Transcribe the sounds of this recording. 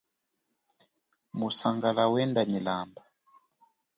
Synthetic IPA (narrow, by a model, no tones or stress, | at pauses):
musaŋɡalawɛndanilamba